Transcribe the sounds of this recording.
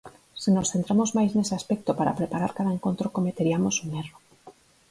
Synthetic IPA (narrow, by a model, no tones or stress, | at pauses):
sinosθe̞nt̪ɾamo̞zmajsneseaspek̚t̪opaɾa̰pɾepaɾaɾkaðaeŋko̞nt̪ɾokomet̪eɾiamo̞suŋero